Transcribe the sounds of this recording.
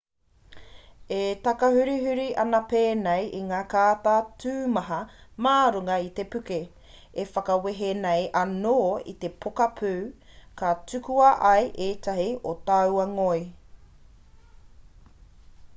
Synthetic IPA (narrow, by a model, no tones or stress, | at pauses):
et̪ɐkɐhʉɾiɦʉɾiʔɐnɐpeːnejʔiŋaːkaːt̪aːtʰʉːmɐɦɐmaːɾuŋɐit̪e̞pʉke | efɐkɐweɦenejʔɐnoːḭt̪e̞pʰokɐpʰʉːkatʉkuɐʔɐjʔeːt̪ʰɐɦiot̪ɐwɐŋoj